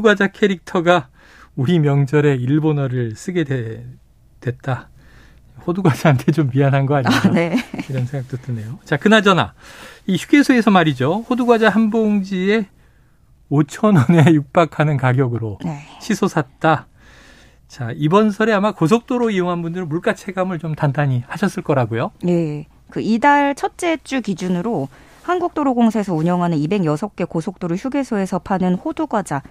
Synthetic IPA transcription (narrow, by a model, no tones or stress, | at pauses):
uɡwad͡ʑakʰe̞ɾik̚tʰʌɡa | uɾimjʌŋd͡ʑʌɾe̞iɭbonʌɾɯɭs͈ɯɡe̞de | dwe̞t̚t͈a | ɸoduɡwad͡ʑaːnkʰe̞t͡ɕomːianɦanɡʌaɲiaiɾʌnsʰeŋɡak̚t͈otɯne̞jot͡ɕakɯnad͡ʑʌna̰iɕuɡe̞sʰoe̞sʰʌmaɾid͡ʑoɸoduɡwad͡ʑaɦanboŋd͡ʑie | ot͡ɕʰʌnʌne̞juk̚p͈akʰanɯnkaɡjʌɡɯɾone̞ɕʰisʰosʰat̚t͈a | t͡ɕaibʌnsʰʌɾe̞amakosʰok̚t͈oɾoijoŋɦanbundɯɾɯnmbuɭk͈at͡ɕʰe̞ɡamɯɭt͡ɕomtandaɲihaɕʰʌs͈ɯɭk͈ʌɾaɡojoje̞ | kɯidaɭt͡ɕʰʌt̚t͡ɕ͈e̞t͡ɕ͈ukid͡ʑunɯɾo | hanɡuk̚t͈oɾoɡoŋsʰaes̬ʰʌuɲʌŋɦanɯnibe̞ŋjʌsʰʌk̚k͈e̞kosʰok̚t͈oɾɯɭçʰjuɡe̞sʰoe̞sʰʌpʰanɯnhoduɡwad͡ʑa